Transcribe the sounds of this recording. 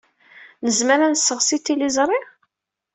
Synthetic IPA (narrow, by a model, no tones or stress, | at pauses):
nəzməɾænəsːəʁsit̪ːilizˤɾˤɪ